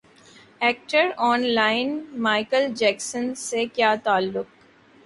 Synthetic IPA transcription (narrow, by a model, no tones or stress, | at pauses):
ɛːk̚ʈəɾɔːnlaːɪnmaːɪkəld͡ʒɛːksənsekjaːt̪aːlːʊk